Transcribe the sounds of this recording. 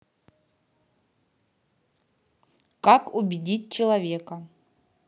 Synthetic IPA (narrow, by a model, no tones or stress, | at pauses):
kakubʲɪdʲit̚ʲt͡ɕɪlˠɐvʲekɐ